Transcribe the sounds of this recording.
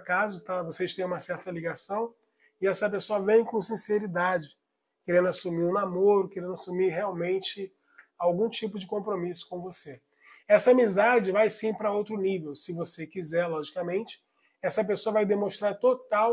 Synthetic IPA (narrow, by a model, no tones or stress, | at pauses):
kazʊt̪avoseʃt̪ẽj̃ũmɐsɛɾt̪ɐliɡasɐ̃w̃ | ɪɛsɐp̬esoɐvẽj̃kõsĩseɾid̪ad͡ʒɪ | keɾẽnd̪ʊasumiɾũnamoɾʊkeɾẽd̪ʊasumiɾɦeawmẽnt͡ʃɪ | awɡũt͡ʃipʊd͡ʒɪkõpɾomisʊ̥kõw̃vose | ɛsɐamizad͡ʒɪvajsĩpɾɐowt̪ɾʊnivewsɪvosekizɛɾlɔʒikɐmẽnt͡ʃɪ̥ | ɛsɐp̬esoɐvajd̪emõʃt̪ɾaɾt̪ot̪aw